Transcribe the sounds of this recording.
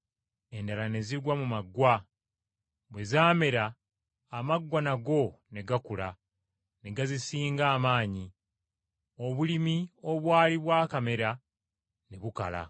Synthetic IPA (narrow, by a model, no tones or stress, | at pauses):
e̞ndalane̞ziɡwamumaɡːwa | βwe̞zaːme̞ɾaː | maɡwanaɡo̞ne̞ɡakula | ne̞ɡazisiːŋɡaːmaːɲi | o̞βulimio̞βwaːliβwaːkame̞ɾa | ne̞βuka̰la̰